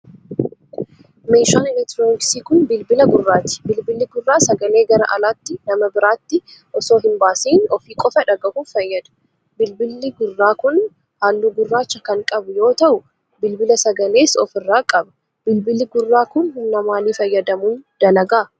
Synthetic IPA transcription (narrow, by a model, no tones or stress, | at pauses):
meːʃaːnɪlɛt̪ɾoːnɪksiːkʊnbɪlbɪlɐɡʊrːaːt̪ɪ̥bɪlbɪlːɪɡʊrːaːsɐɡɐle̞ːɡɐɾɐ̰ʔɐlaːt̪ːɪnɐmɐbɪɾaːt̪ːɪʔɔso̞ːɦɪnbaːsiːnɔfiːkʼɔfɐᶑɐɡɐʔuːfɐjːɐd̪ɐ̥ | bɪlbɪlːɪɡʊrːaːkʊn | haːlːuːɡʊrːaːt͡ʃːɐkɐŋkʼɐbʊjo̞ːt̪ɐʔʊ | bɪlbɪlɐsɐɡɐle̞ːsɔfɪrːaːkʼɐbɐ̥ | bɪlbɪlɪɡʊrːaːkʊnhʊnːɐmaːliːfɐjːɐd̪ɐmuːnd̪̥ɐlɐɡaː